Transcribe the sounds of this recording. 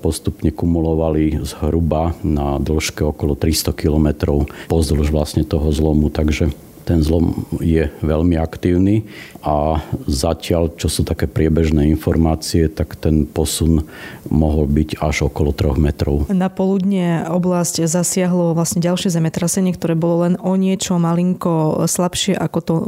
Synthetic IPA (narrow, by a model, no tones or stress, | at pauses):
pɔst̪upɲɛkumulɔʋalizɦɾubanad̪l̩ʃkɛɔkɔlɔt̪ɾist̪ɔkilɔmɛt̪ɾɔʊpɔzluʒʋlasɲɛt̪ɔɦɔzlɔmut̪aɡʒɛ | t̪ɛnzlɔmjɛʋɛʎmiakt̪iːʊniʔazacɪaʎt͡ʃɔsuːt̪akɛːpɾɪɛbɛʒnɛːinfɔɾmaːt͡siɛt̪akt̪ɛnpɔsunmɔɦɔlbiɟaʒɔkɔlɔt̪ɾɔɣmɛt̪ɾɔʊnapɔlud̪ɲɛɔblasczasɪaɦlɔʋlasɲɛɟalʃɪɛzɛmɛt̪ɾasɛɲɪɛkt̪ɔɾɛːbɔlɔlɛnɔɲɪɛt͡ʃɔmaliŋkɔslapʃɪɛʔakɔt̪ɔ